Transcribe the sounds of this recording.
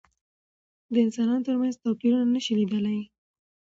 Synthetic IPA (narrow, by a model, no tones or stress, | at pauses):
d̪əɪnsɑnɑnot̪əɾmanzt̪apiɾunanəʃilid̪əlaj